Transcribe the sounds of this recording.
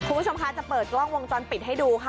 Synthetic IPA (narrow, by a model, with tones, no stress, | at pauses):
kʰu˧mʰ˦˥˩o˧mkʰa˦˥t͡ɕa˨˩pɤː˨˩t̪̚lɔ˥˩ŋwo˧ŋt͡ɕɔː˧npi˨˩t̪̚ɦa˥˩jduː˧kʰa˥˩